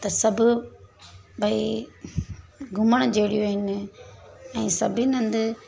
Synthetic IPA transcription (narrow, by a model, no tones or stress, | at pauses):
t̪ɐsɐbʊ | bʱɐi | ɡʱʊməɽ̃d͡ʑeːɽijoɦɪnɪ | ɛ̃ːsɐbʱinɐ̃nd̪